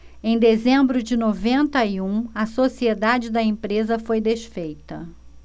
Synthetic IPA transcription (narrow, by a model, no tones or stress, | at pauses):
ẽj̃d̪ezẽmbɾʊd͡ʒɪnovẽnt̪ɐiũɐsosied̪ad͡ʒɪd̪ɐẽpɾezɐfojd̪eʃfejt̪ɐ